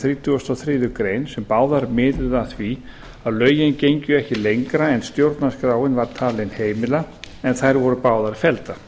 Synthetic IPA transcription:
θɾiːt̪ʰʏɔst̪awθɾɪːðʏkɾeːjnsɛmpaːwðaɾmɪːt̪ʏðaθvi | aðlœːɥjɪncejɲcʏɛhcɪlejŋkɾaɛnst̪jowɾt̪naskɾaːwɪnvaɾ̥t̪ʰaːlɪnheːjmɪla | ɛnθajɾvɔɾʏpaːwðaɾfɛlt̪a

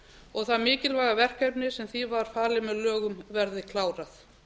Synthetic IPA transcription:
ɔɣθaðmɪːcɪlvaːjɣavɛr̥kœpnɪsɛmθivaɾ̥faːlɪmɛðlœːɣʏmvɛɾðɪkʰlaːwɾaθ

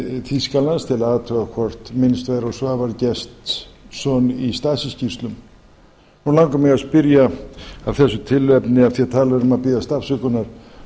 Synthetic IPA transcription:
θiskalnast̪ʰɪlaaːt̪ʰœɣakʰvɔr̥t̪mɪnst̪vajðɾɔsvavaɾcɛst̪sɔnist̪aːsiscir̥st̪lʏm | nulawŋkʏmɛɣaspɪɾjaavθɛsːʏt̪ʰɪlvɛpnɪav̥θjɛt̪ʰaːlvɛɾʏmapɪðast̪afsʏkʏnaɾ̥

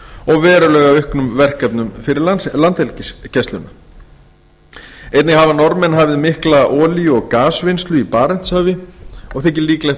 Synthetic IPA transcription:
ɔɣvɛːɾʏlœːɣaʏhknʏmvɛr̥kɛpnʏmfɪɾɪɾalant̪ɛlcɪscɛst̪lʏna | eːjt̪nɪɣhavanɔɾmɛnɦavɪðmɪhklaʔɔːliʏɔɣkaːsvɪnst̪lʏipaːɾɛn̥t̪sœːvɪɔɣθɛhcɪliːkleh

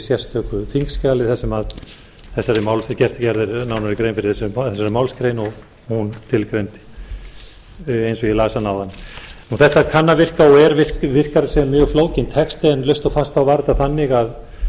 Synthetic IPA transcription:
sjɛst̪œːkʏfiŋkscaːlɪθɛsːɛmað | θɛsːaɾɪmawlscɛr̥t̪cɛɾðɪɾnawnaɾɪkɾeːjnfɪɾɪɾ̥θɛsθɛsːaɾɪmawlskɾeːjnɔɣ | hunt̪ʰɪlkɾent̪ɪ̥ | ejnsɔɣilaːsanaːwðannuθɛht̪aɛɾkʰanːavɪr̥kaɔɛɾvɪl̥kvɪr̥kaɾsɛmːjœːɣfloːwcɪnt̪ʰhɛkst̪ɪɛnlœɥst̪ɔfast̪awvaɾt̪aθanːɪɣað

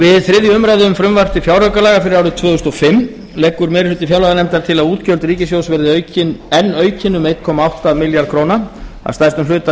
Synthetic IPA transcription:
vɪðθɾɪðjʏʏmɾajðɪʏmfɾʏmvar̥t̪ɪfjawɾœɥkalaːɣafɪɾɪɾawɾɪt̪ʰvœːɣʏst̪ɔɣfɪmː | lɛːkːʏɾmɛːɾɪ̥lʏt̪ɪfjawlaɣanɛmt̪aɾ̥t̪ʰɪlaðuːt̪cœlt̪ɾiːcɪsjowsvɛɾðɪœɥcɪnɛnːœːɥcɪnʏmejt̪kʰɔːmaawht̪aðmɪljaɾkʰɾowna | a̰wst̪ajst̪ʏmlʏːt̪a

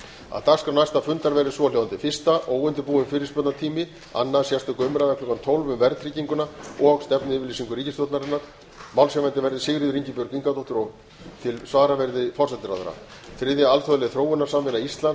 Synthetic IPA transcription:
a̰ðt̪ḁskɾawnajst̪afʏnt̪aɾvɛɾðɪsvɔljowðant̪ɪfɪr̥st̪aʔoːwʏnt̪ɪpuːɪmfɪːɾɪɾ̥spœt̪nat̪ʰiːmɪ | a̰nːasjɛst̪ʏkʏmɾaðakʰlʏkːant̪ʰowlvʏmvɛɾt̪ʰɾiːciŋkʏnaɔɣst̪ɛpnʏɪːvɪlisiŋkʏɾiːcɪsjowt̪naɾɪnːaɾ̥ | mawlsɛvɛnt̪ɪvɛɾðɪsɪɣɾɪðʏɾiɲcɪpjʏɾkiŋkat̪ɔht̪ʏɾɔɣ | t̪ʰɪlsvaːɾavɛɾðɪfɔr̥sɛt̪ɪɾa̰ðʏ̰ɾa̰ | θɾɪðɪaalt̪œðʏlɛðθɾoːwʏnaɾsamvɪnːaist̪lan

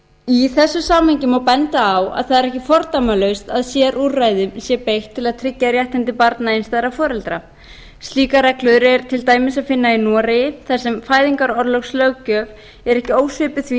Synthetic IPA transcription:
iθɛsːʏsaːmhaɲcɪmawpɛnt̪aːwa̰ðθaðɛɾɛhcɪfɔɾt̪amalœɥst̪aðsjɛɾʔurajðɪmsjɛpejht̪ʰːɪlaðt̪ʰɾɪcːaɾjaht̪ɛnt̪ɪpaɾt̪naejnst̪ajɾafɔːɾɛlt̪ɾa | st̪liːkaɾɛklʏðʏɾɛɾ̥t̪ʰɪlt̪aːjmɪsaðfɪnːainɔːɾejɪθaðsːɛmfaːjðiŋkaɾɔɾlœxslœwcœːv | ɛɾɛhcɪoːwsʏpʏθvi

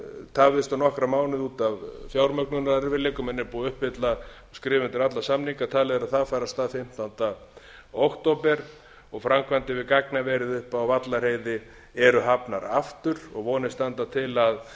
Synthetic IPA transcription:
t̪ʰaːvɪst̪anɔhkɾamaːwnɪðuːt̪avfjawɾmœknʏnaɾɛɾvɪleːkʏmɛnːɛɾpuːaʏhpvɪt̪la | skɾɪːvɪnt̪ɪɾat̪lasamniŋkat̪ʰaːlɛɣðʏɾaðθaðfaːjɾast̪aːðfɪm̥t̪ʰant̪a | owkt̪owpɛɾ | ɔɣfɾamkvant̪ɪvɪðkaknavɛːɾɪðʏhpawvat̪laɾ̥hejðɪ | ɛɾʏɦapnaɾa̰ft̪ʏɾɔɣvɔːnɪst̪ant̪at̪ʰɪlað

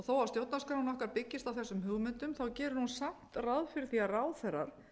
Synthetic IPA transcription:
ɔθoːwavst̪jowt̪naskɾawnɔhkaɾpɪcːɪst̪awθɛsːʏmɦʏɣmʏnt̪ʏmθawcɛːɾʏnunsam̥t̪raðfɪɾɪɾ̥θiaraːwðθɛɾːa̰ɾ̥

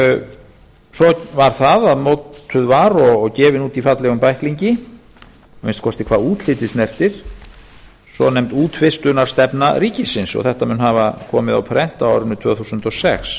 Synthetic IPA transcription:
sɔvaɾ̥θaðaðmowt̪ʰːʏðvaɾɔɣcɛːvɪnuːt̪ifat̪lɛɣʏmpajhkliɲcɪ | mɪnst̪kʰɔst̪ɪkʰv̥aːðuːt̪l̥ɪːt̪ɪsnɛr̥t̪ɪɾ̥ | sɔnɛmt̪uːt̪fɪst̪ʏnaɾ̥st̪ɛpnaɾiːcɪsɪnsɔ̰θɛht̪amʏnɦavakʰɔːmɪða̰wpʰɾɛn̥t̪awawɾʏnʏt̪ʰv̥œːθuːsʏnt̪ɔsɛ̰ks

